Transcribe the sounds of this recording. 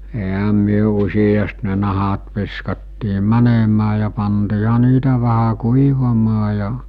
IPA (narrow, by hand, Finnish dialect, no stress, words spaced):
eɦæ myø usijɑst ne nɑhɑt ʋiskɑtːiː mænemæː jɑ pɑntiːhɑ niːtæ ʋæhæ kuiʋɑmɑː jɑ